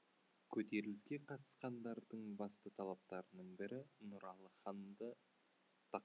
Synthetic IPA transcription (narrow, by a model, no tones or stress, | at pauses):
kʲʰɵt̪e̞ɾɪlɪskʲe̞qʰɑt̪ə̥sqɑnd̪ɑɾd̪əɴbɑst̪ət̪ʰɑlˠɑp̚t̪ɑɾənəɴbɪɾɪnʊɾɑlˠəχɑnd̪ə | t̪ʰɑ